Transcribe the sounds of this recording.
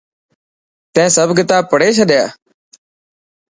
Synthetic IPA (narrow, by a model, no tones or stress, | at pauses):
t̪ɛ̃ːsəbkɪt̪aːpəɽeːt͡ʃʰəɗjaː